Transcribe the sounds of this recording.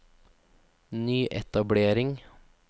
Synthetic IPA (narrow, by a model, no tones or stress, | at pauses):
nyːʔɛt̪ɑbɽeːɾɪŋ